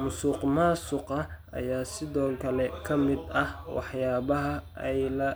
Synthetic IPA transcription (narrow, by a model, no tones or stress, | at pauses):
mʊsuːqmaːsʊqɐʔɐ̰jaːsɪðɔːkʰɐlɛkʰɐmɪd̪ɐhwɑ̰ħjaːβɐɦɐɛjlɐ